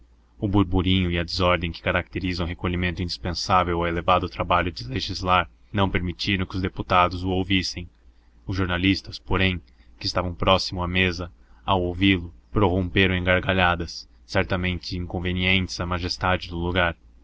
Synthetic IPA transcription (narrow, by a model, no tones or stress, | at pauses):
ʊbuɾbuɾĩɲʊiɐd͡ʒ̪ɪzɔɾd̪ẽj̃kɪ̥kaɾak̚t̪eɾizɐ̃ɦekoʎimẽnt̪ʊĩnd͡ʒispẽsavewawelevad̪ʊt̪ɾabaʎʊd͡ʒ̪ɪleʒizlaɾ | nɐ̃w̃peɾmit͡ʃiɾɐ̃kɪʊzd̪eput̪ad̪ʊzʊowvisẽj̃ | ʊzʒoɾnalist̪ɐspoɾẽj̃ | kɪst̪avɐ̃w̃pɾɔsimʊamezɐ | awowvilʊpɾoɦõmpeɾɐ̃w̃ẽŋɡaɾɡaʎad̪ɐsː | ɛɾt̪ɐmẽnt͡ʃɪĩŋkõveniẽnt͡ʃ̪ɪ̥z̥ɐmaʒest̪ad͡ʒɪd̪ʊluɡaɾ